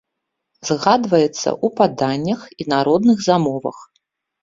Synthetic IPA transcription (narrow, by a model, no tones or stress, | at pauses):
zɣad̪vɐjɛt̪sːɐ̰ʔupad̪anʲːɐxinaɾɔd̪nɨɣzamɔvɐ̰x